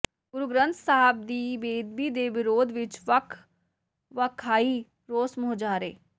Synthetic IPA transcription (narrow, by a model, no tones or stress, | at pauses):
ɡʊɾʊɡɾə̃nt̪ʰsaɦb̚d̪iːbeːd̪̚biːd̪eːʋɪɾoːd̪ʋɪt͡ʃʋəkʰ | ʋəkʰːaːiː | ɾoːsmʊod͡ʒaːɾḛː